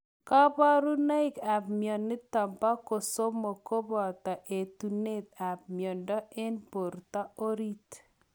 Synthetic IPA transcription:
ka˦ba˦ɾu˦na˦ɪ˦ka˨pmjɔ˨nːɪ˦ta˨mpa˦ko˨so˦mo˨ko˦bɔ˨ta˨ʔe˨tu˨ne˦t̪a˨p̚mjɔ˨ndɔ˦e˦npo˨ɾta˦o˦ɾi˦t

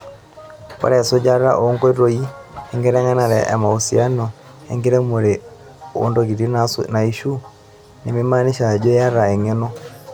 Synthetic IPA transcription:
kɔ̰˦ɾɛ˨so˦d͡ʒa˦ɾa̰˦ʔo˦ŋɡɔ˦i˦ɾo˦i˦ɛ˦ŋɡɛ˦ɾɛ˦ŋa˦na˨ɾɛ˨ʔɛ̰˨ma˨u˨si˨a˦nɔ˨ | ɛ˦ŋɡe˦ɾɛ˦mo˨ɾe˨ | o̰˦ndo˨ɡi˨ɾi˦nna˨i˦ʃu˦ | ne˨me˦ma˦ni˦ʃa˨d͡ʒo˦ja˦ɾa˨ɛ˨ŋɛ˦nɔ˦

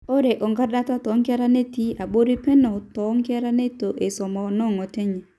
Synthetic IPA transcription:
o˦ɾe˨ʔo˨ŋɡa˦da˦ta˦tɔ˨˦ŋkɛ˦ɾa˦ne˦ti˦a˨bo˦ɾi˦pɛ˦nɔ˨tɔ˨˦ŋke˦ɾa˦ne˦to˨ʔe˨sɔ˨mɔ˨nɔ˦˨ŋɔ˨te˦ɲe˨

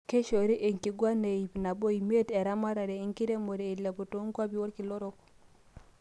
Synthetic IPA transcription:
ke˦ʃo˨ɾi˦ʔe˨ŋki˨ɡwa˦ne˨i˨bna˨bo˦i˨me˦tɛ˨ɾa˦ma˦ɾa˨ɾe˨i˨˦ŋki˦ɾe˦mo˨ɾe˨i˨le˨bu˨to˦ŋɡwa˦bi˦wo˦ɾki˨lo˦ɾo˦k

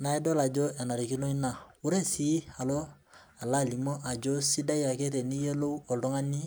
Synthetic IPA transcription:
na˨˦e˦dɔ˦la˨d͡ʒo˦e˨na˨ɾi˨ki˦no˦i˦na˨wu˦ɾe˦si˦a˨lo˦ | a˨la˦˨li˨mɔ˦ʔa˨d͡ʒo˦si˦da˦i˦a˨ke˦te˨ni˦je˦lo˦ɔ˨ldɔ˦ŋa˦ni˦

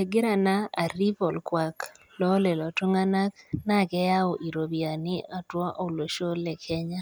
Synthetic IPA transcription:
e˨ɡɪ˦ɾa˨na˦a˨ɾi˦pɔ˨lkwa˨k | lɔ˦lɛ˨lɔ˨to˦ŋa˦na˦kna˦˨ɡɛ˦ja˦o˨ʔi˨ɾo˨bja˨nɪ˦a˨twɔ˦ʔɔ˦˨lo˨ʃo˦lɛ˨kʰɛ˦ɲa˦

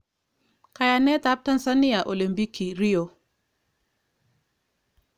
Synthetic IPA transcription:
ka˨ja˨nɛ˦ta˦p̚ta˦nsa˦ni˦a˨ʔo˨li˨mpi˦ki˨ɾi˦o˨

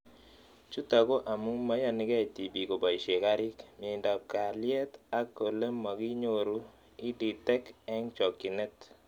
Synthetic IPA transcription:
t͡ʃu˦t̪a˨ɡo˦ʔa˨mu˦ŋma˦ja˦nɪ˦ɡɛ˦˨ti˨bi˨ko˨ba˨i˨ʃe˨ka˦ɾɪ˦kmje˨nda˨b̚ka˨lɪjɛ˦t̪a˦ko˨le˦mːɔ˨ɡɪ˦ɲo˨ɾu˦ | ɪ˦di˨tɛ˦kɛ˦ŋt͡ʃɔ˨kːɪ˨nɛ˦t̪

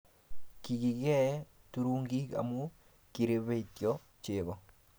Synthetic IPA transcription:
ki˨ki˨ɡɛ˦ | tu˦ɾu˦ŋɡi˦ka̰˨mu˦ | ki˨ɾe˨be˦˨tjɔ˦ | t͡ʃe˨bɔ˨

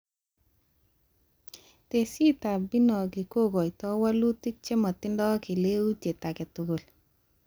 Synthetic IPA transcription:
te˨si˦ta˨bi˦nɔ˨kɪ˨ko˦˨kɔ˨i˨tɔ˦wa˦lu˦ti˦k̚t͡ʃe˦mɔ˨tɪ˦ndɔ˦ki˨le˦u˦tje˨ta˨kɛ˨tʊ˨ɡo˨l

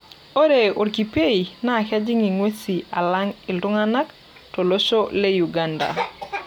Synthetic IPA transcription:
o˦ɾe˨o˨ɾki˨pe˦i˨na˦˨ka˦d͡ʒɪ˦ŋi˨ŋwe˦si˨a˨la˦ŋi˨ldʊ˦ŋa˦na˦k | to˨lo˦t͡ʃo˦le˦ju˨ɡa˦nda̰˨

